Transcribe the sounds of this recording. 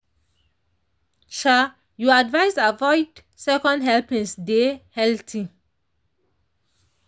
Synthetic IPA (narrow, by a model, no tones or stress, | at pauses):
ʃa | juadvajsavɔɪd | sɛkɔ̃ndɦɛlpĩŋsdehɛltʰi